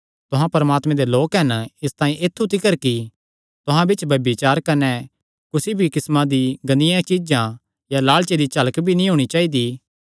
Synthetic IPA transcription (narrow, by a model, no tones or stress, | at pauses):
t̪ʊɦãpɐɾəmaːt̪mɛ̃d̪eloːkɦɐnɪst̪aːĩʔet̪ʰːut̪ɪkəɾki | t̪ʊɦãbɪt͡ʃbʱɐbit͡ʃaːɾkɐnɛ | kʊsibʱikɪsmãd̪iɡɐnɪjãt͡ʃid͡ʒã | jalaːɭt͡ʃed̪it͡ʃɐləkbʱinĩɦoːɽ̃it͡ʃaːid̪i